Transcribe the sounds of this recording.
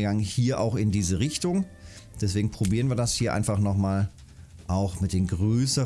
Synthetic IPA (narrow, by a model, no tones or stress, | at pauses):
ɡaŋənhiːɐʔa̰ʊxɪndiːzəʁɪçtʊŋ | d̥ɛsv̥eːɡŋ̩pʁ̥obiːʁənviːɐdashiːɐʔa̰ɪnfaχnɔχmaːl | ʔaʊxmɪt̚d̥eːnɡʁøːsə